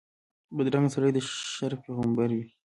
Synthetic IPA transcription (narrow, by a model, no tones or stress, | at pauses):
bəd̪ɾaŋɡsaɾajd̪əʃaɾpeɣəmbaɾwi